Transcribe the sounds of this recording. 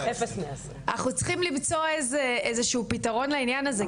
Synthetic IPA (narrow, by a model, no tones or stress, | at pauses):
efesmeas | anaχnut͡sχimlimt͡so̞ezeezeʃuuːpitaʁo̞nleinjanaze